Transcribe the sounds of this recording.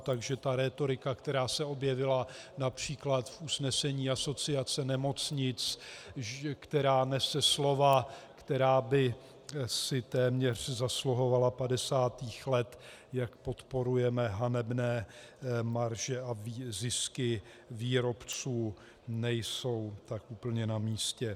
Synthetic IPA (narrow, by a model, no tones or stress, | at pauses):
t̪aɡʒɛt̪aɾɛːt̪o̞ɾɪkakt̪ɛɾaːsɛo̞bjɛvɪlanapr̝̥iːklat̪fʔusnɛsɛɲiːaso̞t͡sɪat͡sɛnɛmo̞t͡sɲɪt͡s | kt̪ɛɾaːnɛsɛslo̞vakt̪ɛɾaːbɪ | sɪt̪ɛːmɲɛr̝̥zasluɦo̞valapadɛsaːt̪iːxlɛt̪ | jakpo̞t̪po̞ɾujɛmɛɦanɛbnɛː | maɾʒɛʔavizɪskɪ | viːɾo̞pt͡suː | nɛjso̞wt̪akʔuːpl̩ɲɛnamiːscɛ